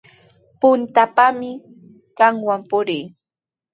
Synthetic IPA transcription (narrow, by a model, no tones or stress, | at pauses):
pʊnt̪apamɪ | kaŋwampʊɾɪː